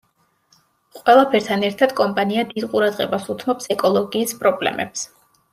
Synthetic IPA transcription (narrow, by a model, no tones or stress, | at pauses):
qʼwɛlˠapʰɛɾt̪ʰanɛɾt̪ʰad̪̥kʼɔmpʼaniad̪id̪qʼuɾad̪ʁɛbasut̪ʰmɔpsɛkʼɔlˠɔɡiːspʼɾɔblɛ̰mɛ̰ps